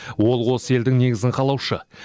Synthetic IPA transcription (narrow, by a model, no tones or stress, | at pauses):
wo̞lˠwo̞səe̞ld̪ɪŋne̞ɡʲɪzɪŋqʰɑlˠɑwʃə̰